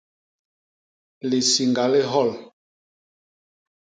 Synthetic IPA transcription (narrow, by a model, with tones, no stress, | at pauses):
li˨si˨ŋɡa˨le˦ɦɔ˦˨l